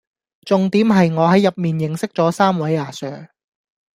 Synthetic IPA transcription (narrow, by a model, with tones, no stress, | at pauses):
t͡sʊ˨ŋt̪iː˨˥mɦɐ˨jŋɔː˨˧hɐ˨˥jːɐ˨p̚miː˨˩njɪ˨ŋsɪ˥k̚t͡sɔː˨˥saː˥mwɐ˨˥jaː˨˥sœː˨˩ŋ